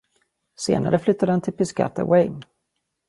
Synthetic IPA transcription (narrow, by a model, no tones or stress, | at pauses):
sḛːna̰ɾəflʏt̪ːad̪əɛnt̪ʰɪlpɪska̰t̪a̰wɛj